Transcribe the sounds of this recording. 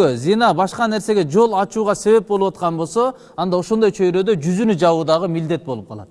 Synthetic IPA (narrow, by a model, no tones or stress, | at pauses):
øzijnɑbɑʃqɑne̞ɾse̞ɡʲe̞d͡ʒo̞lˠɑt͡ʃuːʁɑse̞βe̞p̚bolˠupwɑt̪qɑnbo̞lˠso̞ | ɑnd̪ɑo̞ʃo̞nd̪ɑjt͡ʃʰø̞jɾø̞d̪ød͡ʒyzynyd͡ʒɑwuːd̪ɑʁəmild̪e̞t̪̚bo̞lˠup̚qʰɑlˠɑ̰d̪ə